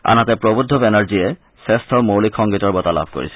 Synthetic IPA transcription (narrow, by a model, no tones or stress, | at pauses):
a̰nat̪epɹobud̪ʱɔbenaɹd͡ʑie | sest̪ʰomowlikʰːɔŋɡit̪ɔɹbɔt̪ala̰b̚ʱko̰ɹḭsʰɛ